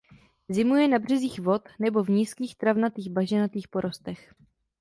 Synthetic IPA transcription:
zɪmujɛnabr̝̥ɛziːxvo̞t̪nɛbo̞vɲiskiːxt̪ɾavnat̪iːɣbaʒɛnat̪iːxpo̞ɾo̞st̪ɛx

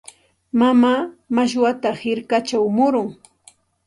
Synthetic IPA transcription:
mamaːmaʃ̬wat̪ahɪɾkat͡ʃawmʊɾʊŋ

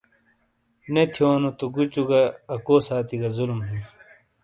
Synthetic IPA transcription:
net̪ʰjoːnot̪uɡut͡ɕuɡɐːkoːsaːt̪iɡɐzulmɦĩ

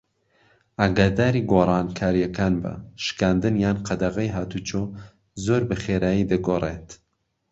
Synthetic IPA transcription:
ʔaːɡaːd̪aːɾiːɡoːrˤɑːnkʰaːɾijɐkaːnbɐ̰ʃkaːnd̪ɨnjaːnqʰɐd̪ɐɣɐjɦaːt̪uːt͡ʃoː | zoːɾbɐχeːɾaːjid̪ɐɡoːrḛːt̪

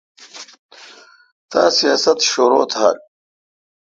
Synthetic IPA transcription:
tʰaːsijaːsat̪ʰʂoɾoːtʰha̰rʼ

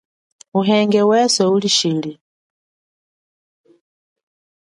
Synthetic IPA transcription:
uɦɛŋɡɛwɛsɛuliʃili

